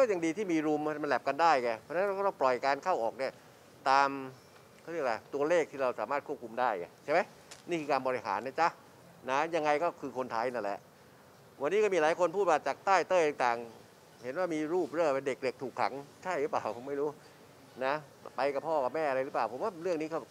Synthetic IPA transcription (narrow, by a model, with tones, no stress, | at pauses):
kɔː˥˩ja˨ŋdiː˧t̪ʰiː˥˩miː˧ɾu˧m˥ma˧nlɛ˨˩p̚ka˧ndaː˥˩jkɛː˧˩ɔ˧na˦˥˧ɾa˧˥˩plɔ˨˩jkaː˧nkʰa˥˩wʔɔː˨˩k̚ni˥˩ɐ | t̪aː˧m | kʰa˥˩˨ɾi˥˩k̚laː˧˩t̪u˧ɐleː˥˩k̚t̪ʰiː˥˩ɾa˧wsaː˩˦maː˥˩kʰu˥˩p̚kʰu˧mdaː˥˩jka̰˨˩t͡ɕʰa˥˩jma˦˥j | ni˥˩kʰɯː˧kaː˧bɔː˧ɾi˧ɦa̰ː˩˦nːa˦˧˥t͡ɕa˦˥ | na˦˥ja˧ŋːa˧jkɔː˥˩kʰɯː˧kʰo˧nt̪ʰaː˧jna˧˥˩lɛ̰˨˩˦ʔ | wa˧nːiː˦˥kɔ˥˩miː˧˩laː˨˦jkʰo˧npʰuː˥˩t̪̚waː˥˩t͡ɕaː˨˩k̚t̪aː˥˩jt̪ɤː˧˩j̪a˨˧˩ŋt̪aː˨˩ŋ | he˩˦nwaː˥˩miː˧ɾuː˥˩p̚ɾɤː˧˩pe˧nde˨˩k̚de˨˩k̚t̪ʰuː˨˩kʰːa̰˩˦ŋt͡ɕʰa˥˩jɾɯː˨˦˥plaː˨˩wpʰo˩˦mːa˥˩jɾuː˦˥ | na˦˥ | pa˧jka˨˩pʰɔː˥˩ka˨˩p̚mɛː˥˩ʔa˧ɾa˧jɾɯː˦˥plaː˨˩wpʰo˨˦mwaː˥˩ɾɯ˥˩əŋniː˦˥kʰɔ˥˩